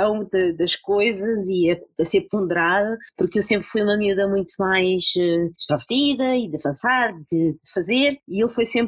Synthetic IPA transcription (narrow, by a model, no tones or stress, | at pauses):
ɐ̃w̃d̪ɐd̪ɐʃkojzɐziɐɐseɾpõnd̪ɨɾaðɐpuɾkewsẽmpɾfujumɐmjuðɐmũj̃t̪umajʃɛʃt̪ɾɐvɨɾt̪iðɐid̪ɨɐvɐ̃saɾd̪ɨd̪ɨfɐzeɾielˠfojsẽmp